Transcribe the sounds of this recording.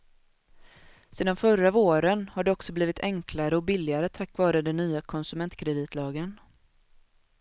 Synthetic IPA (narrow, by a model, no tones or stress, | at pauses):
seːd̪anfœɾavoːɾənhaɖɛɔksɔbliːvɪt̪ʰɛŋkʰlaɾəɔbɪlːɪaɾət̪ʰakːvɑːɾəd̪ɛnːyːakʰɔnsɵmɛnt̪kʰɾɛd̪iːt̪ʰlɑːɡən